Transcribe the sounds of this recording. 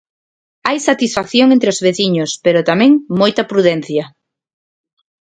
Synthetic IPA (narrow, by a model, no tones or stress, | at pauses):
ajsat̪isfakθjoŋent̪ɾɪozβeθiɲʊspeɾot̪amɛ̃ŋmojt̪ɐpɾuðɛn̟θjɐ